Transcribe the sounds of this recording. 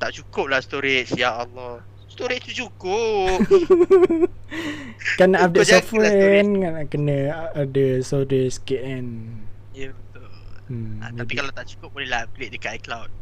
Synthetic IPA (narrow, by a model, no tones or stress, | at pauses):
t̪aʔt͡ʃukʊp̚lahst̪oɾet͡ʃsijaalɔ | st̪oɾet̪ut͡ʃukʊ | kanaʔadəsɔfwɛnkanaʔkənəadəsɔdeskɛʔɛn | jabət̪ʊl̩ | apikalat̪aʔt͡ʃu̥kʊp̚bolɛɦlableʔ̚dəkaʔaklawt̚